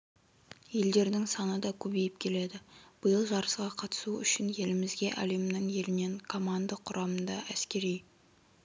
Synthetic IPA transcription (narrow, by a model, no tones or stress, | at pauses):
je̞ld̪e̞ɾd̪ɪŋsɑnəd̪ɑkʲʰɵbe̞jɪpkʲʰe̞le̞d̪ɪb̥əjəlˠʒɑɾəsqɑqʰɑt̪ə̥suʏ̰ʃɪnje̞lɪmɪzɡʲe̞ʔæ̰le̞mnɪɴje̞lɪne̞ŋkʰo̞mand̪əqʰʊɾʔɑmənd̪ɑʔæskʲe̞ɾij